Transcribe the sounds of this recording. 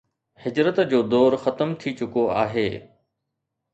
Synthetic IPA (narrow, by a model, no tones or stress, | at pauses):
hɪd͡ʑɾət̪d͡ʑoːd̪ɔːɾxɐt̪əmt̪ʰit͡ɕʊkoaːɦeː